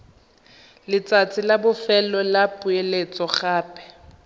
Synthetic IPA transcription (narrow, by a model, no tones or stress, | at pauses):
lɪt͡sʼat͡sʰɪlabʊfɛlɔlapʼʊelet͡sʼɔχaːpʰʼɛ̥